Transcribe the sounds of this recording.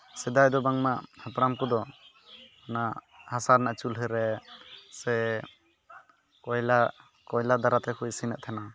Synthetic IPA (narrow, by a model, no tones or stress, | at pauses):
sɛd̪ajd̪ɔbaŋmaʔhapɾamkud̪ɔ | ana | hasaɾnaʔat͡ʃulɦɛɾɛsɛ | kɔjla | kɔjlad̪aɾat̪ɛkʰujsinɛʔ̚t̪ʰɛna